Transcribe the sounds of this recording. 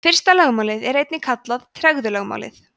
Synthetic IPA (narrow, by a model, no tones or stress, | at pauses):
fɪr̥st̪alœɣmaːwlɪðɛɾejt̪nɪkʰat̪laðt̪ʰɾɛɣðʏlœɣma̰wlɪ̰θ